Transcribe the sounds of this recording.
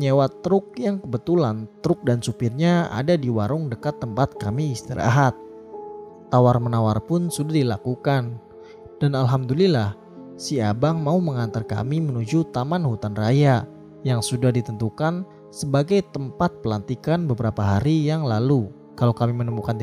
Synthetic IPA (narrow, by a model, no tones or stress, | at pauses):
ɲewat̪ɾʊk̚jaŋkəbət̪ulant̪əɾʊk̚dansupɪrɲaa̰dadiwaɾʊŋdəkat̪ːəmpat̪̚kamiːst̪iɾa̰ɦat̪̚ː | awarmənawarpʊnsudahdilakukan | d̥analɦamdulilah | siabaŋmauməŋant̪arka̰mimənud͡ʒut̪amanhut̪anraja | jaŋsudahdit̪ənt̪ukan | səbaɡajt̪əmpat̪̚pəlant̪ikanbəbəɾapaɦaɾijaŋlalu | kalawkamimənəmukan